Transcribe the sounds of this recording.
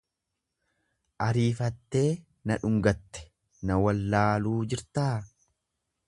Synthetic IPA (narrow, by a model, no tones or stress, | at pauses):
ʔɐɾiːfɐt̪ːe̞ː | nɐᶑʊŋɡɐt̪ːɛ̥ | nɐwɐlːaːluːd͡ʒɪɾt̪aː